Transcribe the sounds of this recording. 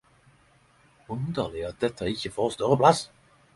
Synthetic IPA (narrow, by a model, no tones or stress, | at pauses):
ʊnd̪əʁlɪɑt̪̚d̪ɛt̪ʰːəɪçəfoːʁst̪œʁəpʰlɑs